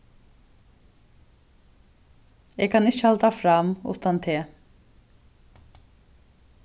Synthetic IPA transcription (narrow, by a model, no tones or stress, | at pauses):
ɛːɡkʰɑːnɪt͡ʃəhalt̪afɾɑmʊ̰t̪ant̪ʰɪ